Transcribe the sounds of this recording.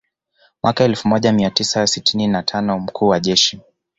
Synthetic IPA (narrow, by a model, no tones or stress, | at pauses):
mwʔakaɛlfumɔʄamiatisasitininatʰanɔm̩kʰuːwaʄɛʃi